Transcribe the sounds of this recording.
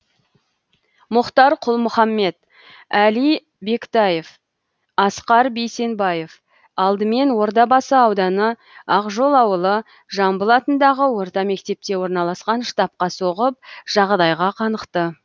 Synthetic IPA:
mʊqt̪ɑɾqʰʊlˠmʊχɑmːe̞t̪ | ælij | be̞kt̪ɑje̞f | ɑsqɑɾbe̞jse̞nbɑje̞f | ɑlˠd̪əme̞nwo̞ɾt̪̬ɑbɑsəɑwd̪ɑnə | ɑqʒo̞lˠɑwəlˠə | ʒɑmbəlˠɑt̪ənd̪ɑʁəwo̞ɾt̪ɑme̞kt̪e̞p̚t̪e̞wo̞ɾnɑlˠɑsqɑnʃt̪ɑp̚qɑso̞ʁəp̚ʒ̥ɑʁd̪ɑjʁɑqʰɑnəqt̪ə

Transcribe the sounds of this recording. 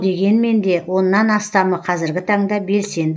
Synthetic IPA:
d̪e̞ɡʲe̞nme̞nd̪e̞wʔo̞nːɑnɑst̪ɑməqʰɑzɪɾɡʲɪt̪ʰɑɴd̪ɑbe̞lse̞nd̪

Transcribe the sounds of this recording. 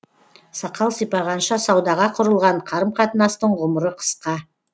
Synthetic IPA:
sɑqɑlˠsəjpɑʁɑnʃɑsɑwd̪ɑʁɑqʰʊɾəlˠʁɑɴqʰɑɾəmqʰɑt̪ənɑst̪əɴʁʊməɾəqʰə̥sqɑ

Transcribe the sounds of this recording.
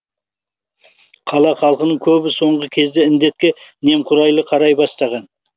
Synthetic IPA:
qʰɑlˠɑχɑlˠqənəɴkʲʰɵbɪso̞ɴʁəkʲʰe̞zd̪ɪɪnd̪e̞t̪̚kʲe̞ne̞mqʰʊɾɑjlˠəqʰɑɾɑjbɑst̪ɑʁɑn

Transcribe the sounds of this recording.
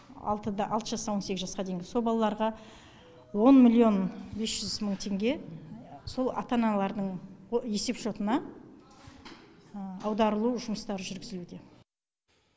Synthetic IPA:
ɑ̰lˠt̪əd̪ʔɑlˠt̪əʒɑsɑwo̞nse̞kʲɪzʒɑsqɑd̪ejŋɡʲɪso̞lˠbɑlˠɑlˠɑɾʁɑ | wo̞nmʲilʲːio̞nbe̞sʒʏzməɴt̪ʰe̞ŋɡʲe̞ | so̞lˠɑ̰t̪ɑnɑlˠɑɾd̪əɴje̞se̞pʃo̞t̪ənɑ | ɑwd̪ɑɾəlˠuʒʊməst̪ɑɾəʒʏɾɡʲɪzɪlud̪e̞

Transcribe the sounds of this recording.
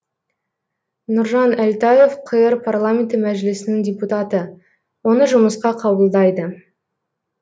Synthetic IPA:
nʊɾʒɑnælt̪ajefqʰəjəɾpʰarlˠamʲent̪əmæʒɪlɪsɪnɪŋdʲeput̪at̪ə | wo̞nəʒʊməsqɑqʰɑbəlˠd̪ɑjd̪ə

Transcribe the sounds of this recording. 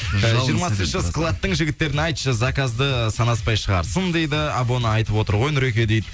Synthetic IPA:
ʒʒʒijəɾmɑsənəsklˠat̪ːəɴʒɪɡʲɪt̪ːe̞ɾɪnɑjt̪ʃəzɑkazd̪əsɑnɑspɑjʃəʁɑ̰ɾsənd̪e̞jd̪ɪɑbo̞nəɑjt̪əpwo̞t̪əɾʁo̞jnʏɾekʲe̞d̪ejd̪ɪ

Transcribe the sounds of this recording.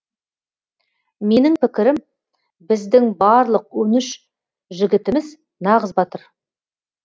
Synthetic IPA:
me̞nɪŋpɪkʲɪɾɪm | bɪzd̪ɪŋbɑɾlˠəq̚wɵnɪʃ | ʒɪɡʲɪt̪ɪmɪz | nɑʁəzbɑt̪əɾ

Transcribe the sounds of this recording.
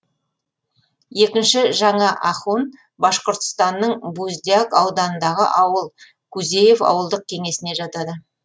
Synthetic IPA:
je̞kʲɪnʃɪʒɑɴɑʔɑχun | bɑʃqoɾt̪ə̥st̪ɑnːəɴbuzʲd̪ʲijakɑwd̪ɑnənd̪ɑʁə̰ʔɑwəlˠ | kʰuze̞je̞fɑ̰wəlˠd̪əq̚kʲʰe̞ŋe̞sɪne̞ʒɑt̪ɑd̪ə

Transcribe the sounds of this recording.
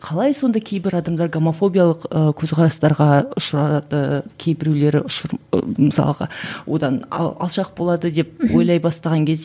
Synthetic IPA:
qʰɑlˠɑjso̞nd̪ɑkʲʰe̞jbɪɾɑd̪ɑmd̪ɑɾɡomofo̞bʲijalˠəqəkʲʰɵzqʰɑɾɑst̪ɑɾʁɑʊʃɾɑd̪əkʲʰe̞jbɪɾule̞ɾɪ̰ʊʃəɾməsɑ̰lˠəʁɑ̰wʔo̞̰d̪ɑn̰ɑ̰lˠʃɑq̚bo̞lˠɑd̪əd̪e̞pwo̞jlˠɑjbɑst̪ɑʁɑŋkʲʰe̞zd̪

